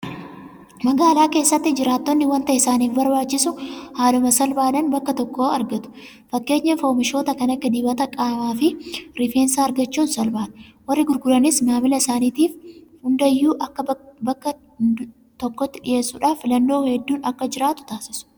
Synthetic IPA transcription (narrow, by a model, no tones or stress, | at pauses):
mɐɡaːlaːke̞ːsːɐt̪ːɪd͡ʒɪɾaːt̪ːɔnːɪwɐnt̪ɐʔɪsaːniːfbɐɾbaːt͡ʃːɪsʊhaːlʊmɐsɐlbaːd̪ɐnbɐkːɐt̪ɔkːoːɐɾɡɐt̪ʊ̥ | fɐkːe̞ːɲːɐfoːmɪʃo̞ːt̪ɐkɐnɐkːɐd̪iːbɐt̪ɐkʼaːmaːfɪɾɪfeːnsaːɾɡɐt͡ʃːuːnsɐlbaːᶑɐ̥wɐrːɪɡʊɾɡʊlɐnɪsmaːmɪlɐɪsaːniːt̪iːfhʊnd̪ɐjːuːʔɐkːɐbɐkːɐ | t̪ɔkːɔt̪ːɪᶑɪ̰je̞ːsːʊᶑaːfːɪlɐnːo̞ːhɛd̪ːuːnɐkːɐd͡ʒɪɾaːt̪ʊ̥t̪aːsɪ̥sʊ̥